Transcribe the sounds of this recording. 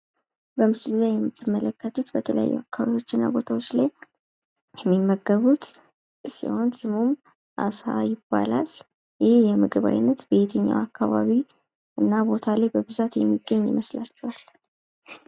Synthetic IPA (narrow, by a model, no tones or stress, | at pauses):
bəmɨslulajɛmːɨt̪ʰːɨmːələkːət̪ʰut̪bət̪ʰələ̰ja̰jːuakːaβaβio̞t͡ʃːɪnːa̰bo̞t̪ʰawot͡ʃːlaj | jɛmːimːəɡːəβut̪ | sḭho̞nsɨmum | ʔasa̰jɪbːa̰lal | jɪhejɛmɨɡɨβa̰jnːət̪be̞t̪ʰəɲːa̰wakːaβaβi | ʔɨnːabo̞t̪ʰalajbəβɨzat̪jɛmːiɡːəɲːiməslat͡ʃːɛwal